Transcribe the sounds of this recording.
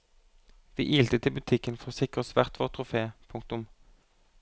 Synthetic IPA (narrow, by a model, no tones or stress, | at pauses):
ʋḭːʔiːlt̪ət̪ʰɪlbʉt̪ʰɪkənfɔʁoːsɪkʁəsʋæʁt̪ʰʋoːʁt̪ʰʁʊfeːpʰʊŋk̚t̪ʊm